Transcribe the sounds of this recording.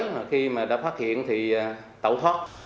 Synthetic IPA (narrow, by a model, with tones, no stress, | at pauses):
jmaː˨˩xi˧maː˨˩ɗa̰ː˧˥faː˦˥t̚hḭ˧˨ənt̪ʰi˨˩˨ | t̪ə̰˧˨wt̪ʰwa˦˥t̚